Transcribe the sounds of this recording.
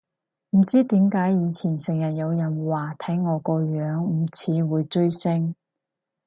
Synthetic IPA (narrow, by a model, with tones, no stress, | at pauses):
m̩˨˩t͡siː˥t̪iː˨˥mkaː˨˥jjiː˨˧t͡sʰiː˨˩nsɪ˨˩ŋjɐ˨t̚jɐ˨˧wjɐ˨˩nwaː˨˩t̪ʰɐ˨˥jŋɔː˨˧kɔː˧ɥœː˨˧˥ŋ̩˨˩t͡sʰiː˨˧˥wuː˨˧jt͡ʃɵ˥ɥsɪ˥ŋ